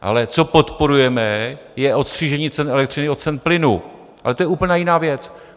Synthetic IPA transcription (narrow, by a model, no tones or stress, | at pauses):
ʔa̰lɛt͡so̞po̞t̪po̞ɾujɛmɛ | jɛʔo̞t̪st̪r̝̥iːʒɛɲiːt͡sɛnɛlɛkt̪rɪnɪot͡sɛnplɪnu | ʔa̰lɛt̪ojɛʔuːpl̩ɲaːjɪnaːvjɛt͡s